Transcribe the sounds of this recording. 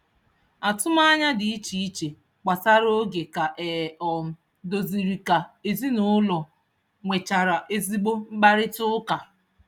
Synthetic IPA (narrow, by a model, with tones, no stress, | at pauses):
a˨tʊ˦ma˦ɲa˦dɪ˨i˦t͡ʃi˨i˦t͡ʃe˨ | k͡pa˨ta˦ɾo˦ɡe˨ka˨ʔɛ˨ɔ˨m̩˨ | do˨zi˨ɾi˨ka˨e˨zi˦nʊ˦lɔ˨ | ŋʷe˨t͡ʃa˨ɾa˨ʔe˦zi˦ɡ͡bo˦m̩˦ɡ͡ba˦ɾɪ˦tʊ˦ʊ˦ka˨